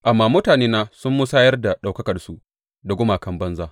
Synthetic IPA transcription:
ʔa˨mːaː˦˨mʊ˦taː˨neː˦naː˦sʊ˦mːʊ˦saː˦jɐ˦rda˨ɗa˨wkɐ˦kɐ˨rsu˦ʔ | dɐ˨ɡʷʊ˦maː˨kɐ˦mbɐ˦nzaː˦

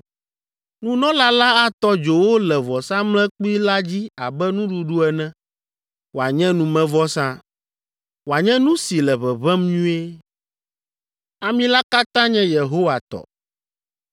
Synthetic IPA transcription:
nũ˦nɔ̃˦la˦la˦a˦t̪ɔ˦d͡ʒo˨wo˦lɛ˨vɔ˨sã˦mlɛ̃˦k͡pi˦la˦d͡ʑi˦a˨bɛ˦nũ˦ɖu˨ɖu˦ɛ˨nɛ̃˦ | wo˨a˨ɲɛ̃˦nũ˨mɛ̃˦vɔ˦sã˦ | wo˨a˨ɲɛ̃˦nũ˦si˨lɛ˨βɛ˨βɛ˦mɲũ˦e˦ | a˨mĩ˦la˦ka˦t̪ã˦ɲɛ̃˦je˨ɦo˦wa˨t̪ɔ̰˨

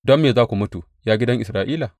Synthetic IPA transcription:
dɔ˦mːeː˨zaː˦kʷu˨mʊ˦tu˨ | jaː˦ɡʲɪ˦dɐ˦ŋʔɪ˨sɾaː˨˦ʔiː˦la˨

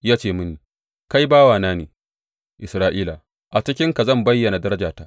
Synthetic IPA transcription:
jaː˦t͡ʃeː˦˨mʊ˦ni˨ | ka˦jbaː˦waː˨naː˦nḛː˨ | ʔɪ˨sɾaː˦ʔiː˦la˨ | ʔa˨t͡ʃɪ˦kʲɪ˦ŋka˨zɐ˦˨mbɐ˦jːɐ˨na˨dɐ˦ɾɐ˦d͡ʒaː˨ta˦ʔ

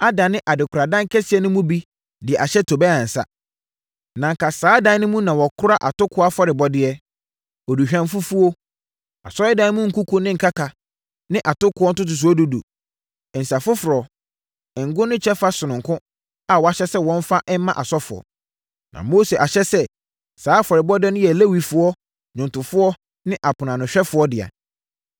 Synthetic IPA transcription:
a˦da˨nɪ̃˦ʔa˨dɪ˨kʰʊ˨ɾa˨dã˦ŋ˦kʰɛ˦sɪ˨ɛ˦nʊ̃˦mũ˦bi˦ | dɪ˨ɛ˨a˨ɕɛ˦tʰo˨bɛ˦ã˨n̩˨sa̰˦ | nã˨ŋ˨kʰa˨saː˨˦dã˦nʊ̃˦mũ˦nã˨wɔ˨kʰʊ˦ɾa˦ʔa˨tʊ˦kʰʊ˦a˦fɔ˦ɾɪ˨bɔ˨dɪ˦ɛ˦ | ɔ˨du˨ɕᶣã˨m˦fu˦fu˦o˦ | a̰˨sɔ˦ɪ˦dã˦n˦mũ˦ŋ̩˨ku˦kʰu˦nɪ̃˦ŋ̩˨kʰa˦kʰa˨ | nɪ̃˦ʔa˨tʊ˦kʰʊ˨˦ɔ˦n̩˦tʊ˦t̬ʊ˨s̬ʊ˨˦ɔ˦du˦dṵ˨ | ɛ˨n̩˨sa˨fʊ˦fʊ˨ɾɔ˨ | ŋ̩˨ɡʊ̃˦nʊ̃˦t͡ɕʰɛ˦fa˦sʊ˨nʊ̃˨ŋ˨kʰʊ̃˦ | a˨wɔ˨a˨ɕɛ˦sɛ˦wɔ̃˦m˦fa˦ʔɛ˦mã˦ʔa˨sɔ˦fʊ˨ɔ̰˨ | nã̰˨mo˦se˨ʔa˨ɕɛ˦sɛ˦˨ | saː˨˦fɔ˨ɾɪ˨bɔ˦dɪ˦ɛ˦nʊ̃˦jɛ˨le˦wi˨fʊ˨ɔ˦ | ɲʊ̃˨ntʊ˨fʊ˦ɔ˦ | nɪ̃˦ʔa˨pʰʊ˨nã˨nʊ̃˨ɕᶣɛ˦fʊ˨˦ɔ˦dɪ˨a̰˨

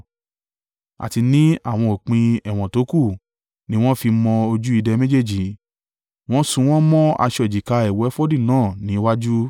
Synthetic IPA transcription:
a̰˨ti˧nĩ˦a˦˨w̃ɔ̃˧o˨k͡pĩ˧ɛ˨w̃ɔ̃˨to˨˦ku˦˨ | nĩ˦w̃ɔ̃˦fi˧mɔ̃˧o˧d͡ʒu˦i˧dɛ˧mẽ˦d͡ʒe˦˨d͡ʒi˨ | w̃ɔ̃˦sũ˧w̃ɔ̃˦mɔ̃˦a̰˧ʃɔ˨d͡ʒi˨ka˧ɛ˨wɛ˨˦fɔ˦dĩ˦˨nãː˦˨nĩ˨˦wa˦d͡ʒu˦

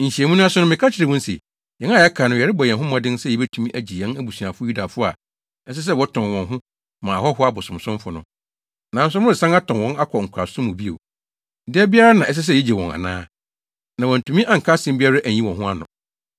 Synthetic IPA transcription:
ɲ̩˨ɕi˨ɛ˨mũ˦nʊ̃˦a˦sʊ˦nʊ̃˦mɪ̃˨kʰa˦t͡ɕʰɪ˨ɾɛ˨mʊ̃˦n̩˦sɛ̰˨ | jɛ̃˨˦na˦jɛ˦kʰa˨nʊ̃˨ɛ˨ɾɪ˦bɔ˨jɛ̃˨ɦʊ̃˦m˦ɔ̃˨dɪ̃˦n˦sɛ˦˨ɛ˨be˦tʰũ˨mĩ˦ʔæ˨d͡ʑi˨jɛ̃˦næ˦bu˨su˨ã˨fʊ˦ju˦da˨fʊ˦a̰˨˦ | n̩˦s̬ɪ˦s̬ɛ˦wɔ˦tʰɔ̃˨nwɔ̃˨nɦʊ̃˦ | mã˨hɔ˦ɦʊ˦a˦bʊ˨sʊ̃˨m˨sʊ̃˦m˦fʊ˨nʊ̰̃˦ | nã˨˦n˦s̬ʊ̃˦ɪ˨sã˦a˦tʰɔ̃˨nwɔ̃˦na˦kʰɔ˨ŋ̩˨kʷʰa˨sʊ̃˦mũ˨bi˦ḛ˨ | dɪ˦ɛ˦bɪ˦a˦ɾa˦nã˨ʔɛ˦s̬ɛ˦s̬ɛ˦˨jɛ˦d͡ʑɛ˨wɔ̃˨ŋa̰˨nã̰ː˦ | nã˨wɔ˨n̩˨tʰũ˨mĩ˦ʔa˦˨ŋ̩˨kʰa˦sɪ̃˦mbɪ˦a˦ɾa˦ʔæ˨ɲĩ˦wɔ̃˨ɦʊ̃˦a˦nʊ̰̃˨

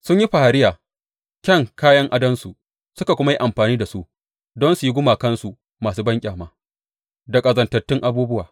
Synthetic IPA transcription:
sʊ˦ɲji˦ɸa˨ha˨ɾɪ˦jaː˨ | kʲɐ˦˨ŋkaː˦jɐ˦ŋʔa˦dɐ˦nsu˨ʔ | sʊ˦ka˨kʷʊ˦ma˦ji˦ʔa˨mɸaː˨niː˦da˨su˦ʔ | dɔ˦nsu˨ji˦ɡʷʊ˦maː˨kɐ˦nsu˨ | maː˨suː˦bɐ˦ŋkʲʼaː˨maː˦ | dɐ˨kʼɐ˨zɐ˨ntɐ˨tːɪ˦ŋʔa˦buː˦bʊ˦waː˨

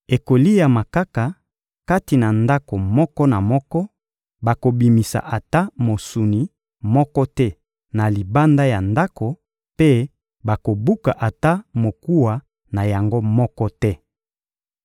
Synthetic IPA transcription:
e˨ko˨li˦ja˨ma˨ka˦ka˨ | ka˦ti˨na˨nda˦ko˨mɔ˦kɔ˦na˨mɔ˦kɔ˦ | ba˨ko˨bi˨mi˨sa̰˨ʔa˨ta˦mo˨su˨ni˨ | mɔ˦kɔ˦tɛ˦ | na˨li˨ba˦nda˦ja˨nda˦ko˨ | pe˦ | ba˨ko˨bu˦ka˨ʔa˨ta˦mo˨ku˦wa˨ | na˨ja˨ŋɡo˦mɔ˦kɔ˦tɛ˦

